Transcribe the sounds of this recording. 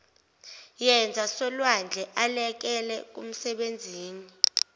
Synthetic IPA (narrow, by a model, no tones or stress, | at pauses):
jɛnd͡zʱasɔlwand͡ɮʱɛʔalɛk̬ɛlɛk̬um̩sɛɓend͡zʱiːni